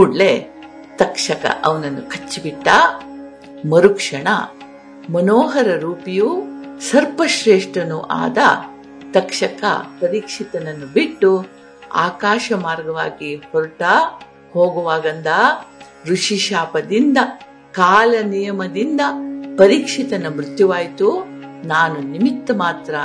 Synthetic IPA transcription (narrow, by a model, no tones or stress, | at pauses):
uːɖle | t̪ɐkʂɐkɐ̰ʔɐʋɐnɐnːukʰɐt͡ʃːibiʈːɐ | mɐɾukʂɐɳɐ̰ | mɐnoːɦɐɾɐɾuːpijusɐɾpɐʃɾeːʂʈɾɐnuʔa̰ːd̪ɐ̰ | t̪ɐkʂɐkɐ̰pɐɾiːkʂit̪ɐnɐnːubiʈːu | a̰ːkaːʃɐmaːɾɡɐʋaːɡihɔɾuʈɐ | hoːɡɐʋaːɡɐnd̪ɐ | ɾuʂiʃaːpɐd̪ind̪ɐ | kaːlɐnijɐmɐd̪ind̪ɐpɐɾiːkʂit̪ɐnɐmɾut̪juʋaːjt̪u | naːnunimit̪ːɐmaːt̪ɾɐ